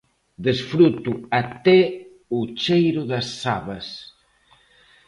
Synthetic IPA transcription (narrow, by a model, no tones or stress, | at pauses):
d̪esfɾut̪uat̪ɛ | ut͡ʃejɾʊðɐsːaβɐs